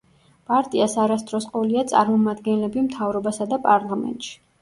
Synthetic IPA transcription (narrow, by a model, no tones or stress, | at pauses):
pʼaɾt̪ʼiasaɾast̪ʼɾɔsqʼɔliat̪sʼa̰ɾmɔmad̪ɡɛnlɛbimt̪ʰavɾɔbasad̪apʼaɾlˠamɛ̰nt̪ʼʃi̥